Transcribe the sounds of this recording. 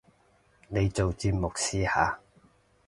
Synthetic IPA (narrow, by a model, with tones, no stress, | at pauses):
ne˨˧jt͡so˨wt͡siː˧t̚mʊ˨k̚siː˥haː˨˧